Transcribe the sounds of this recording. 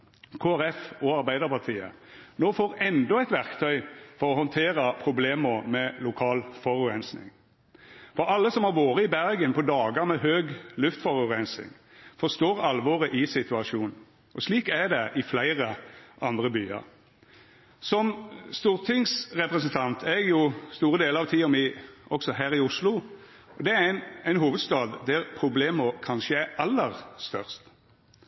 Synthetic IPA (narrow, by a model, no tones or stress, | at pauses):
kʰoːæʁɛfɔɑɾbæɪd̪əʁpɑʁt̪ʰiːə̰noːfoːʁɛnd̪ɔæɪt̪ʋæʁkt̪ʰœʏfɔʁɔhɔnt̪ʰeːʁəpʰʁʊbleːməɾmɛlʊkʰɑːlfɔʁʉʁɛnsnɪ̰ŋ | fɔɾɑlːəsɔmhɑɾʋoːʁəɪbæʁɡənpʰɔd̪ɑːɡəɾmɛɦøːɡlʉft̪fɔʁʉʁɛnsɪ̰ŋ | fɔst̪oːʁɑlʋɔʁəʔɪsɪt̪ʉɑʃuːn | ʔɔsliːkæd̪ɛʔɪflæɪʁəʔɑnd̪ʁəbyːɑ̰ʁ | sɔmst̪uːʁt̪ʰɪŋsʁɛpʁɛsnt̪ʰɑnt̪ʰæjʊst̪uːʁəd̪eːləɑʋt̪ʰiːɔmɪɔksɔhæːɾɪʊslʊ | ɔd̪ɛæænæɪnɦuːʋəd̪st̪ɑːd̪ːæʁpʰɾʊbleːməkʰɑnʃəæɑlːəʁst̪œʁst̪